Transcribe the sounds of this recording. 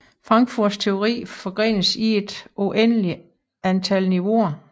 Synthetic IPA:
fʁɑ̈ŋɡ̥fuɐdst͡sʰe̝o̝ʁḭːfɒ̽ɡ̥ʁḛːnəsie̝d̥ʔoʔenəli | ænt͡sʰælniʋo̝ɐ

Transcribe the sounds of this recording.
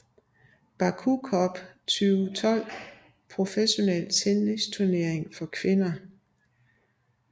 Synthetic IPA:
b̥ɑ̈kʰukʰɒb̥t͡sʰyːʊt͡sʰɒ̽l̰ | pʰʁo̝feɕo̝nelt͡sʰenest͡sʰuɐne̝ɐ̰e̝ŋfɒ̽kʰʋe̝nɐ

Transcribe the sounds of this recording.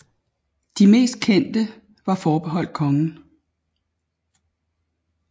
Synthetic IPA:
d̥ime̝̰ːsd̥̚kʰen̰d̥ə | ʋɑ̈fɒːb̥eɦɒ̽l̰d̥̚kʰɒ̽ŋn̩

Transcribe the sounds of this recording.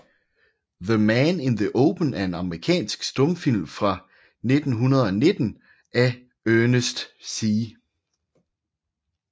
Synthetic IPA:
ðəmænɪnðiʔoʊpʰən̩æɐe̝nɑ̈məʁikʰɛ̰ːnsɡ̥sd̥ɔ̽mfil̰mfʁɑ̈ | ne̝d̥n̩ɦunɐð̞ˠɒ̽ne̝d̥n̩ | ʔæ | ønəsd̥si

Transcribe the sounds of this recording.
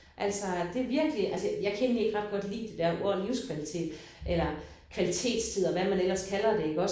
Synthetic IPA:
ʔæl̰sɒd̥e̝ʋiɐɡ̥liʔælsəjɑ̈ɪkʰene̝ɡ̥ʁɑ̈d̥̚ɡ̥ɒ̽d̥lḭːd̥e̝d̥æɐʔoɐliʊskʰʋælit͡sʰe̝̰ːd̥ | ʔelɐ | kʰʋælit͡sʰe̝̰ːd̥st͡sʰið̞̰ˠɒʋæmænel̰ɐskʰælɐd̥e̝e̝ɡ̥ɒ̽

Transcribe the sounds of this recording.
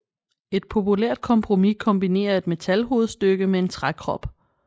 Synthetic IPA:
e̝d̥̚pʰo̝pʰuleɐ̰d̥̚kʰɒ̽mpʰʁo̝mikʰɒ̽mbine̝̰ːɐe̝d̥me̝t͡sʰælɦo̝ːð̩ˠsd̥øɡ̥əmee̝nt͡sʰʁakʰʁɒ̽b̥

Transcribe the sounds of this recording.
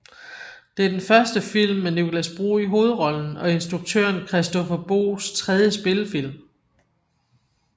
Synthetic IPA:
d̥e̝æɐd̥enfɶɐsd̥əfil̰mːenikʰo̝læsb̥ʁo̝̰ːiɦo̝ːð̞̩ˠʁɒ̽ln̩ɒ̽e̝nsd̥ʁuɡ̥̚t͡sʰø̰ːɐnkʰʁɛsd̥ɔ̽fɒb̥o̝̰ːst͡sʰʁɛð̞ˠjəsb̥e̝ləfil̰m

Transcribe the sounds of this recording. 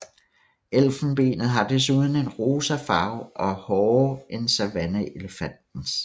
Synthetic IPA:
el̰fn̩b̥e̝̰ːnð̩ˠɦɑ̈d̥e̝s̬uːð̞ˠn̩e̝nʁo̝ːsɐfɑ̈ʊʔɒ̽hɒːensæʋænəeləfæn̰d̥n̩s

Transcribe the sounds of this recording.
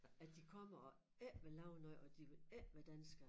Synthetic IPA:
æd̥ikʰɒ̽mɐɒ̽ | ɛʋelɑ̈ʊnɒɪʔɒ̽d̥iʋe̝læʋæd̥ænsɡ̥ɐ

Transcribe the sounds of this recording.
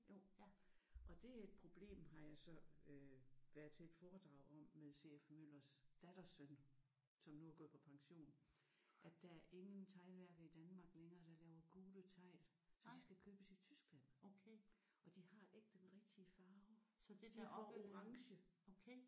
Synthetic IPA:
jo̰ | ʔɒ̽d̥e̝æe̝d̥̚pʰʁo̝b̥le̝̰ːmɦɑ̈jɑ̈ɪsɒ̽øʋæɐð̩ˠt͡sʰe̝ed̥fɒːd̥ʁɑ̈ʊ̰ɒ̽mmeðˠse̝̰efmøl̰ɐsd̥æd̥ɐsøn | sɒ̽mnuæɡ̥ɔð̩̰ˠpʰɒ̽pʰɑ̈ŋɕo̝̰ːn | ʔæd̥ææɐʔe̝ŋənt͡sʰɑ̈ɪlʋæɐɡ̥ðˠid̥ænmɑ̈ɡ̥leŋɐːd̥ɑ̈lɛːʊɐɡ̥uːðˠət͡sʰɑ̈ɪ̰l | sɒ̽d̥isɡ̥ækʰøːb̥əsit͡sʰysɡ̥læn̰ʰ | ɒ̽d̥ihɑ̈eɡ̥̚d̥enʁɛɡ̥̚d̥iəfɑ̈ːʊdd̥fɒ̰o̝ʁɑ̈ŋɕə

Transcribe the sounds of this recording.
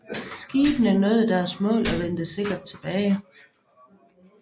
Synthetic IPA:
sɡ̥iːb̥nəæɐnɔ̽ːð̩ˠd̥æɐsmɔ̰̽ːlɒʋend̥ese̝ɡ̥ɐd̥̚t͡sʰe̝b̥ɛːɪ

